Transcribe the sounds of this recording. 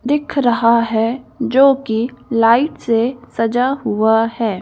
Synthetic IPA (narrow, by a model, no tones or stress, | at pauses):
d̪ɪkʰɾɐɦaɦɛd͡ʒoːkilaːɪʈsesɐd͡ʒaɦʊahɛː